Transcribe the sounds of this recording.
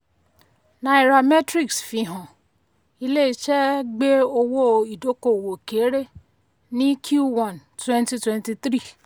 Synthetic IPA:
na˧i˨˧ɾa˧mɛ˦tɾi˦ksfĩ˧ɦɔ̃˨ | i˧le˦i˦t͡ʃɛ˦ɡ͡be˦o˧wo˦˧i˨do˨˦ko˦˨wo˨ke˨˦ɾe˦ | nĩ˦kʰju˦˨wã˨ntwɛ̃˦nti˧twɛ̃˧nti˧t̪ɾi˦˨

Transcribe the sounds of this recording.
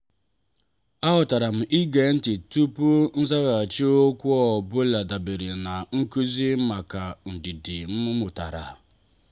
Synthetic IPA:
a˦ɦʊ˨ta˨ɾa˨m̩˨ʔi˦ɡe˨˦n̩˦tɪ˨tu˦pu˦n̩˦za˦ɣa˨t͡ʃi˦o˦kʷu˦ɔ˦˨bʊ˦la˨da˨be˨ɾe˨na˨ŋ̩˦ku˦zi˦m̩˦ma˨ka˨n̩˨di˨dɪ˨m̩˦mʊ˦mʊ˨ta̰˨ɾa̰˨

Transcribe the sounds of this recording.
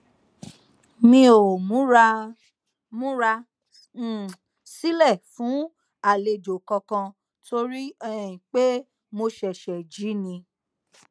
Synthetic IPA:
mĩ˧o˨mũ˦ | mũ˦ɾa˧˨ | si˦lɛ˦˨fũ˨˦ | a˦˨le˨d͡ʒo˨kɔ̃˧kã˧ | tʰo˧ɾi˦ɛ̃˦˨ĩ˨k͡pe˦ | mo˧ʃɛ˨ʃɛ˨d͡ʒi˨˦nĩ˧

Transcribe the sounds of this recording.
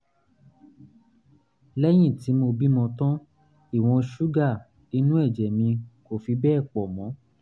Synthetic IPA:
lɛ˦j̃ĩ˦˨ti˨˦mo˧bi˦mɔ̃˧tɔ̃˦ | i˦˨w̃ɔ̃˧ʃu˦ɡa˦˨ | ni˨˦nũ˦ɛ˦˨d͡ʒɛ˨mĩ˧ko˦˨fi˧bɛː˦˨k͡pɔ˨mɔ̃˨˦

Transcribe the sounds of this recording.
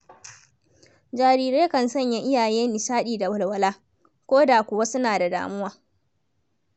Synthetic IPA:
d͡ʒaː˨ɾiː˦˨ɾeː˦kɐ˨nsɐ˦˨ɲja˦ʔɪ˦jaː˨jeː˦nɪ˨saː˦ɗiː˨da˨wʊ˦˨lwɐ˦laː˦ | kʷoː˦daː˨kʷʊ˨wa˦sʊ˦naː˨da˨da̰ː˨mʊ˦waː˦

